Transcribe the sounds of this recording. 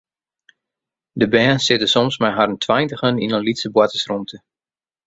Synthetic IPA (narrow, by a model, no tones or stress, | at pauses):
dəbɛːnsɪtəsɔmsmɛjɦarəntʰwajntəχəninənlitsəbwatəsrumtʰə